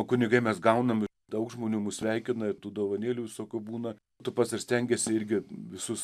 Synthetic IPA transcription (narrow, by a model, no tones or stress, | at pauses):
okʊnʲɪɡɐɪmʲɛsɡɐʊnɐmɪ | d̪ɐʊkʒmoːnʲuːmʊsʲʋʲɛɪkʲɪnɐɪt̪uːd̪oːʋɐnʲeːlʲuːʋʲɪsoːkʲuːbuːnɐ | t̪ʊpɐt̪sɪɾsʲt̪ʲɛŋʲɡʲɛsʲɪɪɾʲɡʲɪʋʲɪsʊs